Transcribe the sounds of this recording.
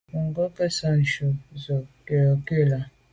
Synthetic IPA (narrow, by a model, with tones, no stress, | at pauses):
ŋ̩˨ɡɔ˦ke˦sa˦n̩˨ʃo˨zɔ˨ke˨ɔ˨ke˦˨la˨